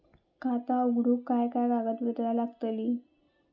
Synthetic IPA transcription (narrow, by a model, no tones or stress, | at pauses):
kʰat̪auɡɽuːkːajkajɡaɡət̪ʋid̪lalaɡt̪əliː